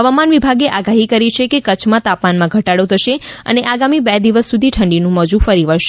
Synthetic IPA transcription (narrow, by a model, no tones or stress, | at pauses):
ɦəʋamanʋibʱaɡeʔaɡaɦikəɾit͡ʃʰekekət͡ʃʰmãt̪apmanmãɡʱəʈaɽot̪ʰəʃeə̰neʔaɡamibɛd̪iʋəsːud̪ʱiʈʰəɳɖinũməd͡ʒũfəɾiʋəɭʃe